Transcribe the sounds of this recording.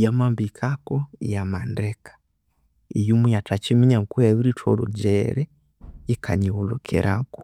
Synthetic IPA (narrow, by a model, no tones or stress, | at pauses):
jamambikʰakoijamandekḁ | ḭjumujatʰat͡ʃimiɲaŋkuaβiɾitʰolo̰ɟeɾe | ikʰaɲiolokʰḛɾʔako̥